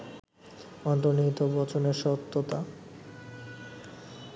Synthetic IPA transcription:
ɔnt̪ɾonit̪obɔt͡ɕʰoneɾʃɔt̪ːot̪a

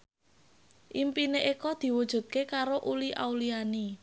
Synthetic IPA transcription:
ʔimpineʔekɔd̪̥i̤wud̥ʒ̥ṳt̪̚kekaɾoʔuliʔauliani

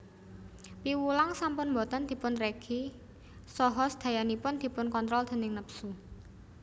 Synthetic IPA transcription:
piwulaŋsampʊnmbɔ̤t̪ɔnd̪̥i̤pʊnreɡ̥i | sɔɦɔsd̪̥ä̤janipʊnd̪̥i̤pʊnkɔnt̪ɾɔld̪̥ə̤nɪŋnəpsu

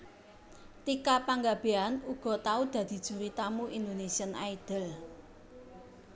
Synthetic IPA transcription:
t̪ikapaŋɡab̥eanuɡ̥ɔ̤t̪aud̪̥ä̤d̪̥i̤d̥ʒ̥ṳɾit̪amuʔind̪onesiəna̰id̪̥ə̤l

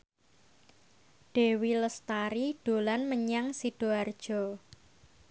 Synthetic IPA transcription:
ɖ̥ewiləst̪aɾiɖ̥o̤lanməɲaŋsiɖ̥oard̥ʒ̥ɔ̤

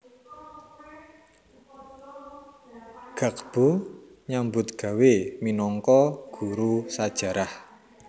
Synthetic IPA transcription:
ɡ̥ä̤k̚b̥uɲambʊt̪ɡ̥a̤weminɔŋkɔɡ̥ṳɾusad̥ʒ̥a̤ɾah

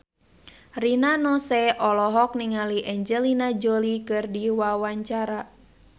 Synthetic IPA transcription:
rinanɔsɛɔlɔɦɔk̚niŋaliʔɛɲd͡ʒəlinad͡ʒolikɨrdiwawaɲt͡ʃaɾa

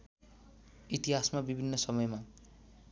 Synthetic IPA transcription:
it̪iɦasmabibʱinːʌsʌmʌjma

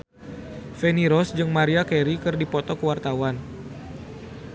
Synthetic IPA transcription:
feniɾɔsd͡ʒɨŋmaɾiakɛɾikɨrdipɔt̪ɔkəwart̪awan

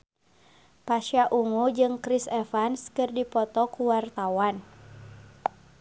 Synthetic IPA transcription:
paʃaʔuŋud͡ʒɨŋkɾisɛfanskɨrdipɔt̪ɔkuwart̪awan

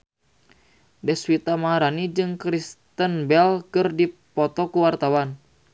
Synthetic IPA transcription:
dɛswit̪amaaɾanid͡ʒɨŋkɾist̪ənbɛlkɨrdipɔt̪ɔkuwart̪awan

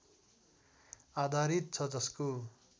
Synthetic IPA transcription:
ad̪ʱaɾit̪̚t͡sʰʌd͡zʌsko

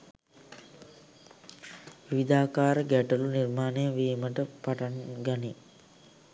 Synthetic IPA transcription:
ʋiʋid̪aːkaːɾəɡæʈəlunirmaːnejəʋiːməʈəpaʈanɡani

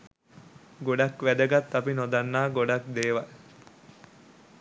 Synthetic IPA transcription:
ɡoɖakʋæd̪əɡat̪ːapinod̪anːaːɡoɖakd̪eːʋɐl

